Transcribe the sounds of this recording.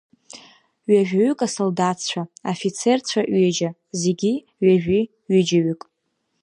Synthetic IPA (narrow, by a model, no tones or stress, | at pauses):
ɥaʒᶣʲaɥykʼasoldat͡sʰt͡ɕʷʰaofit͡sʰe̞rt͡ɕʷʰaʔɥed͡ʒa | ze̞ɡʲi | ɥaʒᶣi | ɥid͡ʒaɥykʼ